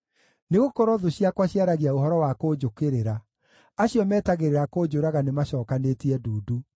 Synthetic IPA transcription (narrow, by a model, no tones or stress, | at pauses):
neɣokoɾɔðoɕijakwaɕiaɾaɣiaoɦɔɾɔwakoːd͡ʒokeɾeɾa | aɕiɔmɛːtaɣeɾeɾakod͡ʒoɾaɣanemaɕɔːkanetiɛduːdu